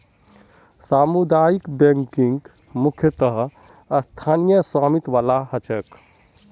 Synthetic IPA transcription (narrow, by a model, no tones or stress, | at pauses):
saːmud̪aːjikbẽŋkĩŋɡ | mukʰjət̪əɦ | əst̪ʰaːnijəsaːmit̪ʋaːlahət͡ʃək